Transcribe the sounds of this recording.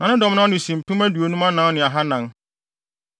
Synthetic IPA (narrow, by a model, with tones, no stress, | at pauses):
nã˨nɪ̃˦dɔ̃˨m˦nã˦nɪ̃˨sĩ˨m̩˨tʰũ˦mæ˦du˨o˨˦nũ˦mã˦nã˨˦nɪ̃˨a˨ɦa˦nã˨n